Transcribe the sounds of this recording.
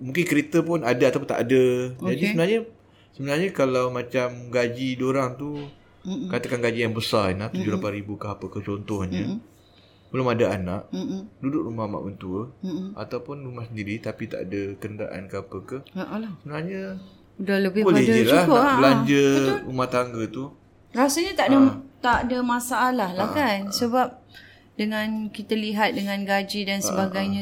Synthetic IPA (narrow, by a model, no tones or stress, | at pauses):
mũŋkɪnkəɾit̪əpʊnadaat̪awp̬ʊnt̪aʔadəd͡ʒadisəbənarɲə | səbənarɲəkalawmat͡ʃamɡad͡ʒidoɾaŋt̪u | kat̪akanɡad͡ʒijaŋbəsarinaht̪ud͡ʒʊhlapanɾibukəɦapəkət͡ʃɔnt̪ɔhɲə | bəlʊmadaanaʔdudʊʔɾumahama̰ʔbənt̪uəa̰t̪awpʊnrumahsəndiɾit̪apit̪a̰ʔa̰dəkənda̰ʔa̰nkəapəkəhaʔlsəbənaɲa | udahləbɪhbopaɛdaid͡ʒluakoabəlaɲd͡ʒəumaht̪aŋɡət̪u | rasaɲat̪aʔdət̪aʔdəmãsaːlahlahkansəbap̚ | dəŋãnkit̪aliɦat̪̚dəŋãnɡad͡ʒidansəbaɡajɲã